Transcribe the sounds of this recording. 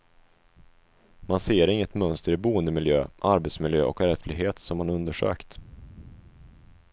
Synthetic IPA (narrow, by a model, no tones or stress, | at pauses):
manseːɾɪŋːət̪mœnst̪əɾɪbuːənd̪əmɪljøːʔaɾbɛt̪smɪljøːʔɔ̰kæɾɛflɪɦeːt̪sɔmːanɵnd̪əʂø̰ːkt̪